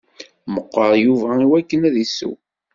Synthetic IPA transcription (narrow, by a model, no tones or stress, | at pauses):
məqːəɾˤjuvæiwækːənæðisːṵ